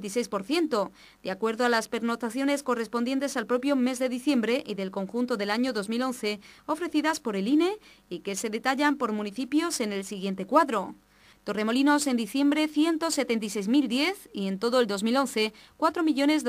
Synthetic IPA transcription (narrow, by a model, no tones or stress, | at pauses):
t̪ise̞jspo̞ɾθje̞nt̪o̞ | d̪̥eakwe̞ɾðoalaspe̞ɾno̞t̪aθjo̞ne̞sko̞re̞spond̪je̞nt̪e̞salpɾo̞pjo̞me̞zðe̞ðiθje̞mbɾe̞ʔiðe̞lko̞ŋxunt̪o̞ðe̞laɲo̞ðo̞zmilo̞n̟θe̞o̞fɾe̞θiðaspo̞ɾe̞line̞ | ike̞se̞ðe̞t̪aʎampo̞ɾmũniθipjo̞se̞ne̞lsiɣ̞je̞nt̪e̞kwaðɾo̞ | t̪o̞re̞mo̞lino̞se̞nd̪iθje̞mbɾe̞θje̞nt̪o̞se̞t̪e̞nt̪̬ajs̬ejzmild̪je̞θie̞nt̪o̞ðoe̞ld̪o̞zmilo̞nθe̞ | kwat̪ɾo̞miʎo̞ne̞z